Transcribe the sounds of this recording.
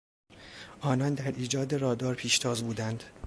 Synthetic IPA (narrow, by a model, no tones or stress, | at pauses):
ʔɒːnɒːnd̪æɾʔiːd͡ʒɒːd̪e̞ɾɒːd̪ɒːɾpʰiːʃt̪ʰɒːzbuːd̪ænd̪̥